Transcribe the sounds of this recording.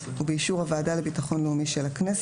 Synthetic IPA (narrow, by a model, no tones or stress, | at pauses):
ubeiʃuʁhavaːdale̞bitaχo̞nleumiʃelaknes